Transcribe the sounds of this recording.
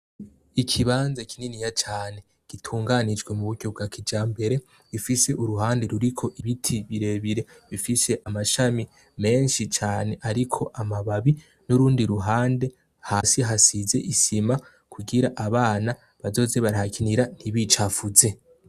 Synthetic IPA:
ikʰiβaːnzakʰininijat͡ʃaːne̞ | ɡ̥itʰuːŋɡanid͡ʒɡwe̞muβuɡɟo̞bɡakʰid͡ʒaːmbe̞ɾe̞ | ɾufise̞ʔuɾuɦaːnde̞ɾuɾikʰo̞ʔiβitʰiβiɾe̞βiɾe̞ | βifise̞ʔamaʃami | me̞ːnʃit͡ʃaːne̞ʔaɾikʰo̞ʔamaβaβi | nuɾuːndiɾuɦaːnde̞ | hasiɦasize̞ʔisima | kʰuɡiɾaʔaβaːna | βazo̞ːze̞βaɾahakʰiniɾan̥iβit͡ʃafuze̞

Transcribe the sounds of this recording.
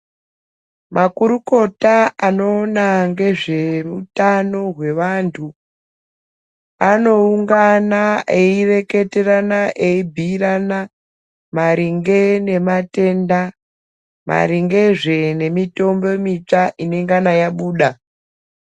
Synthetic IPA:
mʔakuɾuko̞taano̞ːnaŋɡe̞ʐe̞rutano̞ɦwe̞ʋantʰu | ano̞uŋɡanaʔe̞ire̞ke̞te̞ranaʔe̞ibʱiːrana | maɾiŋɡe̞ne̞mate̞nda | ma̰ɾiŋɡe̞ʐe̞ne̞mito̞mbo̞mit͡ʂaʔine̞ŋɡanajaɓuːɗa

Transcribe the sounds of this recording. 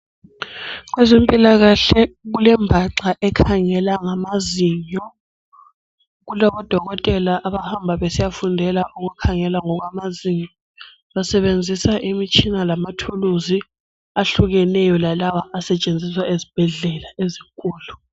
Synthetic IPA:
ɣwɛzimpʼilaɣaɬɛɣulɛmbʱaǁaʔɛkʰaŋɛlaŋamaziɲɔ | ɣulɔβɔd̥ʱɔɣɔtʼɛlaʔaβahambʱaβesijafundʱɛlaʔuɣukʰaŋɛlaŋɔɣwamaziɲɔ | βasɛβend͡zʱisaʔimit͡ʃʼinalamatʰuluzi | aɬuɣɛnɛjɔlalawaʔasɛt͡ʃʼend͡zʱiswaezib̥ʱɛɮɛlaezikʼuːlu

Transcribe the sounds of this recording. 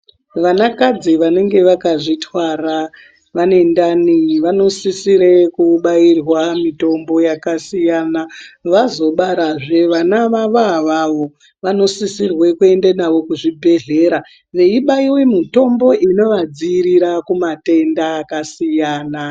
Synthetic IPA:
ʋanakad͡ziʋane̞ŋɡe̞ʋakaʐitʰwara | ʋane̞ndaniʋano̞sisiɾe̞kuɓairwamito̞mbo̞jakasijanaʋazo̞ɓaɾaʐe̞ʋanaʋaʋaʋaʋo̞ | ʋano̞sisirwe̞kue̞ndenaʋo̞kuʐibʱe̞ɮe̞ɾa | ʋe̞iɓaiwemito̞mbo̞ʔino̞ʋad͡ziːɾiɾakumate̞ndaːkasijaːna

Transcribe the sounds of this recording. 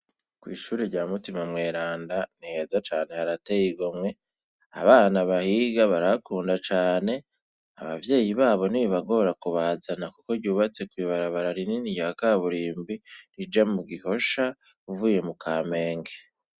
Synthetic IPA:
kwiːʃuːɾeɾɟaːmutimamŋe̞ːɾaːndanihe̞zat͡ʃaːne̞haɾatejiɡomŋwe̞ | a̰βaːnaβahiɡaβaɾaβakuːndat͡ʃaːne̞ | a̰βa̰vje̞ːjiβaːβo̞niβaɡo̞ɾakuβazanakuko̞ɾɟuːβat͡se̞kwiβaɾaβaɾaɾininijakaβuɾiːmbiɾid͡ʒamuɡiho̞ʃa | uvuːje̞mukʰaːme̞ːŋɡe̥

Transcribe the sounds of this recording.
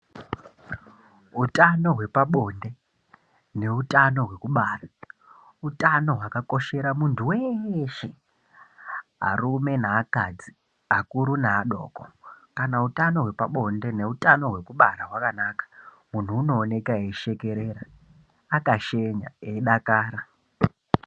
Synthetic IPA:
utano̞ɦwe̞paɓo̞nde̞ | ne̞utano̞ɦwe̞kuɓaːra | utano̞ɦwakako̞ʃe̞ɾamuntʰuweʃe | ɦa̰rume̞naːkad͡zi | akuɾunaːɗo̰ːkokanautano̞ɦwe̞paɓo̞nde̞ne̞utano̞ɦwe̞kuɓaɾaɦwakanakḁ | mun̤uːno̞ːne̞kaeiʃe̞ke̞ɾeɾaː | kaʃe̞ɲa̰eiɗakaːɾa

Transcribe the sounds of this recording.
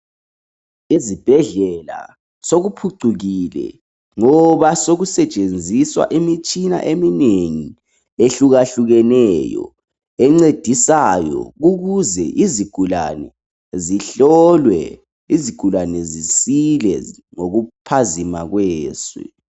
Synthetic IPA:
izib̥ʱɛɮɛla̰ | soɣupʰuǀuɣilɛ̰ | ŋɔβasoɣusɛt͡ʃʼend͡zʱiswa̰ʔimit͡ʃʼina̰ʔemineŋi | eɬuɣaɬuɣɛnɛjɔ̰ | ɛŋ͡ǀed̥ʱisajɔ̰ɣuɣuzɛʔiziɡ̥ʱula̰nɛ̰ | ziɬɔlwɛ̰ | iziɡ̥ʱulanɛzisilɛ | ŋoɣupʰazimaɣwɛːswɛ̰

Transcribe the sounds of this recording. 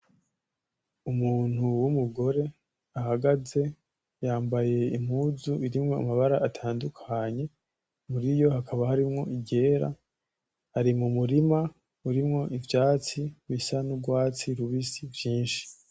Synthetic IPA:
umuːn̥huwumuɡo̞ɾe̞ | aɦaɡaze̞ | jaːmbaje̞im̥huːzuiɾimŋo̞a̰maβaɾaʔatʰaːndukʰaɲe̞ | muɾijo̞hakʰaβahaɾimŋo̞ʔiɟe̞ːɾa̰ | haɾimumuɾima | uɾimŋo̞ʔivjaːt͡siβisanuɡwaːt͡siɾuβisivjiːnʃi̥

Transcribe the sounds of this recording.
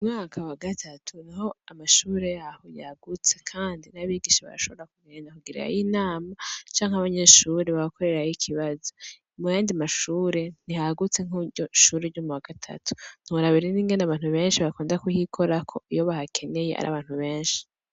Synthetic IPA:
umŋaːkʰawaɡatʰatʰunaho̞amaʃuːɾe̞jahoja̰ɡut͡se̞kʰaːndinaβiːɡiʃaβa̰ɾa̰ʃo̞βoɾakumeːɲakuɡiɾa̰jinaːmat͡ʃaːŋhaβaɲe̞ːʃuːɾeβaβako̞ɾe̞ɾajikʰiβazo | mujaːndimaʃuːɾe̞nihaɡut͡se̞ŋ̥uɾɟoʃuːɾeɾɟumuwaɡ̥atʰa̰tʰu̥n̥uuɾaβiɾiniːŋɡe̞naβaːn̥huβe̞ːnʃiβakuːndakuhikʰoɾakʰo̞ijo̞βahakʰe̞ne̞jeʔa̰ɾa̰βaːn̥huβe̞ːnʃi̥

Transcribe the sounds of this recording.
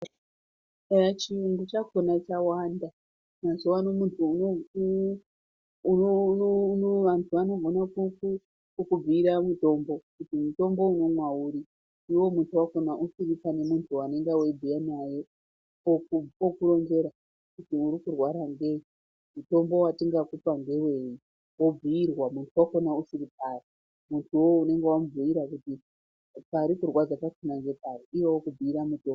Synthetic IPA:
at͡ʃiuŋɡut͡ʃakonat͡ʃawanda | nazuwanomuntʰuno | unoʋantʰuano̞ɡʱo̞nakuku | kub͡viːɾamuto̞mbo̞kutimuto̞mbo̞uno̞mwauɾi | ndiwo̞muntʰuwaɡo̞naʔusiripane̞muntʰuwane̞ŋɡawe̞d͡zijanaje̞ | okuokulo̞nd͡ʒe̞ɾa | kutiuɾikurwaɾaŋɡe̞i | muto̞mbo̞watiŋɡakupaŋɡe̞we̞ji | wo̞b͡viirwamuntʰuwako̞nausiɾip̚ari | muntʰuwo̞une̞ŋɡewamuvuiɾakuti | paɾikurwad͡zatakenaŋɡe̞paɾiiwowokub͡viiɾamuto̞ːmb

